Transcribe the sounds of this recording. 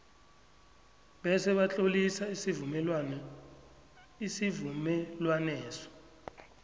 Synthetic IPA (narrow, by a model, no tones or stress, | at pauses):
ɓɛsɛɓat͡ɬʼolisaisivumɛlwanɛ | isivumɛlwanɛːsɔ̥